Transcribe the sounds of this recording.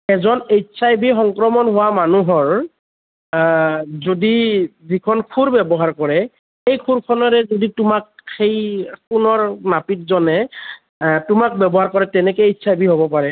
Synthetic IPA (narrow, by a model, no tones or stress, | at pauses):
ɛzɔnejtsajbixɔŋkɹɔmɔnɦʊwamanuɦɔɹ | zodizikʰɔnkʰuɹbɛbɔɦaɹkɔɹɛ | xejkʰuɹkʰɔnɔɹɛzoditʊmak̚xejkʊnɔɹnapit̚zɔnɛ | tʊmak̚bɛbɔɦaɹkɔɹɛtɛnɛkɔejtsajbʱiɦobɔpaɹɛ